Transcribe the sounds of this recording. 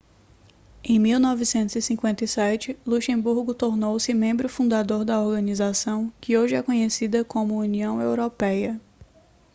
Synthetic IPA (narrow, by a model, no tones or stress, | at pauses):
ẽj̃miwnɔvɪsẽnt̪ʊzɪsĩkwẽnt̪ɐjsɛt͡ʃɪluʃẽbuɾɡʊt̪oɾnowsɪmẽmbɾʊfũnd̪ad̪oɾd̪ɐoɾɡɐ̃nizasɐ̃w̃kɪoʒɪɛkõɲesid̪ɐkõmʊuniɐ̃w̃ewɾopɛjɐ